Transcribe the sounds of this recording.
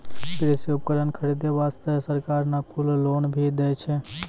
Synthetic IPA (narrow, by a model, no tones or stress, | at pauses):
pɪɾesoːp̚kəɾənkʰəɾid̪eʋaːst̪esəɾkaːɾnakʊlloːnbʱid̪eːt͡ʃʰɛ